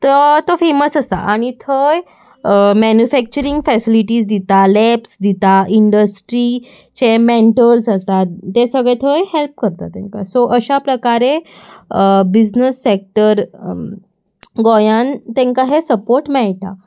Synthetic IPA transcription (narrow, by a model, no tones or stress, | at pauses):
t̪ət̪ofeməsəsa̰ʔaɽ̃it̪ʰəj | mɛnjufɛk̚t͡ɕəɾiŋɡfɛsiliʈiːd͡zd̪it̪alɛpsd̪it̪aiɳɖəsʈɾi | t͡ɕemeɳʈəɾd͡zat̪at̪esəɡɭet̪ʰəjɦelp̚kəɾt̪a̰t̪ḛ̃ŋka̰soʔəɕapɾəkaɾe | bid͡ʑnəsːek̚ʈəɾ | ɡojant̪ẽŋkaɦesəpoɾʈmɛɭt̪a̰